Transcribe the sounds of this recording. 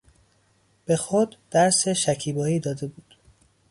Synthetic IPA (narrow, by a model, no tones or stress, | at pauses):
b̥e̞xod̪ːæɾseʃæcʰiːbɒːiːd̪ɒːd̪e̞buːd̪̥